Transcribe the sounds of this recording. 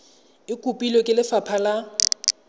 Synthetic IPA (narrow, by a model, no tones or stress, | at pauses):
ɪkʼupʼilokʼɪlɪfapʰala